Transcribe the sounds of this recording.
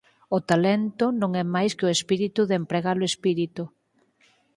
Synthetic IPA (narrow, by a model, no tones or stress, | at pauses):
ʊt̪alent̪ʊnõŋɛmajskoespiɾit̪uðempɾeɣaloespiɾit̪u